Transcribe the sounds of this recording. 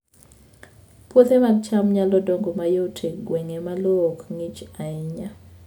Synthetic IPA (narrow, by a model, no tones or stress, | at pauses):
pwot̪emadt͡ʃamɲalɔdoŋɡomajotʰeɡweŋemalɔːkŋit͡ʃaɪɲa